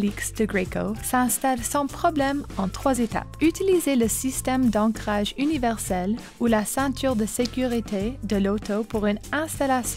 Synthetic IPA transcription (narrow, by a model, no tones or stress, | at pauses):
liksd̪̥əɡʁeko̰sɛ̃st̪alsɑ̃pχɔblɛmɑ̃t̪χwazet̪a̰pyt̪ilizeləsist̪ɛmd̪ɑ̃kχaʒynivɛʁsɛl | ulasɛ̃t̪ʰyːʁd̪əsekʲyʁit̪ed̪əlot̪opuʁynɛ̃st̪alasj